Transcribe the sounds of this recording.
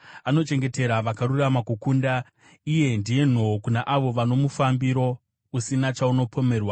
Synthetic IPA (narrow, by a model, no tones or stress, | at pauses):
ano̞t͡ʃe̞ŋɡe̞te̞ɾaʋakaɾuramakukunda | ije̞ndije̞n̤okunaʔaʋo̞ʋano̞mufambiɾo̞ | usinat͡ʃauno̞pʰo̞me̞ːrwa